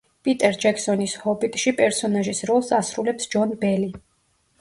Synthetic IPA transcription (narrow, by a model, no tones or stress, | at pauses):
pʼit̪ʼɛɾd͡ʒɛkʰsɔnishɔbit̪ʼʃipʼɛɾsɔnaʒisɾɔlˠsasɾulɛpsd͡ʒɔnbɛli